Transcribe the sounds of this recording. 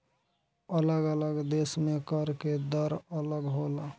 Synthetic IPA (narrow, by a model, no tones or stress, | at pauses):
ələɡələɡd̪esmekəɾked̪əɾələɡɦola